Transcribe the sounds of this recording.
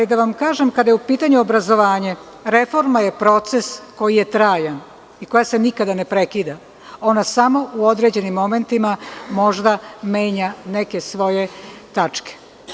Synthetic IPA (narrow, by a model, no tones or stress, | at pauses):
lid̪aʋamkaːʒemkad̪ajeupiːt̪aɲuobɾazo̞ʋaːɲe | ɾe̞fo̞ɾmaje̞pɾo̞t̪se̞sko̞jije̞t̪ɾaːjan | iko̞jase̞nikad̪anepɾe̞kiːd̪a | o̞nasamo̞uod̪ɾe̞d͡ʑe̞nimːo̞me̞nt̪imamo̞ʒd̪ame̞ːɲane̞kesʋo̞je̞t̪at͡ʃke̥